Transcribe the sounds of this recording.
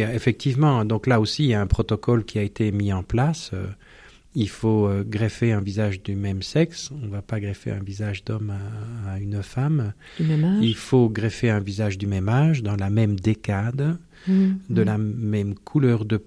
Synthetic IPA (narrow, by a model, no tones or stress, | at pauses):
efɛk̚t̪ʰivmɑ̃d̪ɔ̃klaosiljaɛ̃pχɔt̪ɔkɔlkʲiaet̪emiɑ̃plasø̰ | ilfoøɡʁefeɛ̃vizaʒd̪ymɛmsɛksɔ̃vapaɡʁɛfḛɛ̰̃vizaʒd̪ɔmaːynfam | ilfoɡʁefeɛ̃vizaʒd̪ymɛmaʒd̪ɑ̃lamɛmd̪ekad̪ | d̪əlamɛmkʰulœʁd̪əp